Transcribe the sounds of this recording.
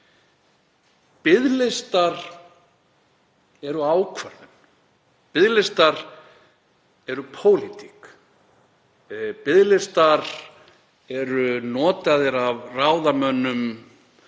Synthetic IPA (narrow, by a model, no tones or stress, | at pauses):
pɪðlɪst̪aɾ̥ | ɛɾʏaːwkʰvɛɾðʏm | pɪðlɪst̪aɾ̥ | ɛɾʏpʰoːwlit̪i̥k | pɪðlɪst̪aɾ | ɛɾʏnɔːt̪aðɪɾavraːwðamœnʏm